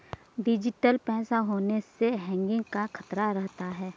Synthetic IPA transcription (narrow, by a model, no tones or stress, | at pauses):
ɖɪd͡ʒɪʈəlpɛːsaɦoːneseɦɛ̃ːŋɡɪ̃ŋɡkaxʰət̪ɾaɾɛɦt̪aɦɛː